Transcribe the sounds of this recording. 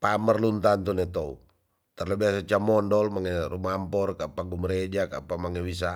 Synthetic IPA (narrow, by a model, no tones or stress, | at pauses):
pamərlunt̪ant̪unɛt̪ɔṵ | t̪arlabiasat͡ʃamɔndɔlmaŋɛrumampɔrkapaɡumɾed͡ʒaka̰pamaŋɛwis̬a